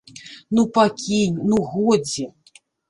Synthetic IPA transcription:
nupakʲinʲnuɣɔd͡zʲi

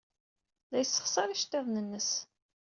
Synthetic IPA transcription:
ðæjəsːə̥χsˤɑɾiʃt̪eðˤnənːəs

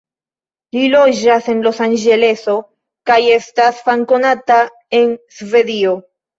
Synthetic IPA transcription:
lilo̞d͡ʒase̞nlo̞sand͡ʒe̞le̞so̞ | kaje̞stasfaŋko̞nata | e̞nsve̞dio̞

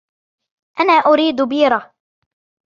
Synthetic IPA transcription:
ʔanaːʔʊɾiːd̪biːɾˤɑ

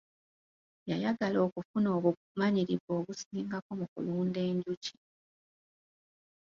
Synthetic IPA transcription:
jajaɡalo̞ːkufuno̞ːβu | maɲiɾiβo̞ːβusiːŋɡako̞mukṵluːnde̞ːɲɟuci̥

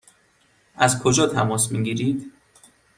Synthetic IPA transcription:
ʔæzkʰod͡ʒɒːt̪ʰæmɒːsmiːɡiːɾiːd̪

